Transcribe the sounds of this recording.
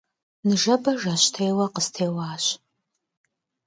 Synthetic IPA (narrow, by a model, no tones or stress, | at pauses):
nɨʒɐbɐʒɐɕtʰejwɐqəstʰeːwaːɕ